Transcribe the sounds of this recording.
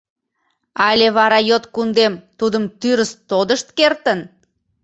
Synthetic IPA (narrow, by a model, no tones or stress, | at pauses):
ɑlʲeβɑɾɑjot̪kund̪emt̪ud̪əmt̪yɾəst̪od̪əʃt̪kert̪ən